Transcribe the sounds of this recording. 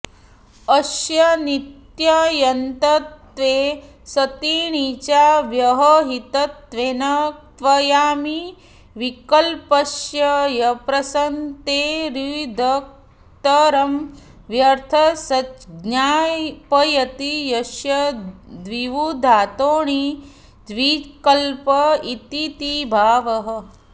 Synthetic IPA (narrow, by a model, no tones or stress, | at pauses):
ɐʃjɐnit̪jɐjɐnt̪ɐt̪ʋeː | sɐt̪iːɳ̃it͡ʃaʋjɐɦɐɦit̪ɐt̪ʋenɐt̪ʋɐjaːmi | ʋikɐlpɐʃjɐjɐpɾɐsɐnt̪eɾid̪ʱɐk̚ | t̪ɐɾɐm | ʋjɐɾt̪ʰɐsɐt͡ʃɡɲaːjpɐjɐt̪ijɐʃjɐd̪ʋiʋud̪ʱaːt̪oːɳi | d̪ʋikɐlpɐit̪it̪ibʱaːʋɐɦə̆